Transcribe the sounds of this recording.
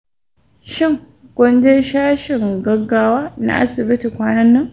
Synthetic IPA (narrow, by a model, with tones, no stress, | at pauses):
ʃɪ˦˨ŋ | kʷʼʊ˦nd͡ʒe˦ʃaː˦ʃɪ˨ŋɡɐ˦ɡaː˦waː˦na̰˦ʔa̰˦sɪ˨bɪ˦ti˨kʷaː˦nɐ˦nːɐ˦ŋ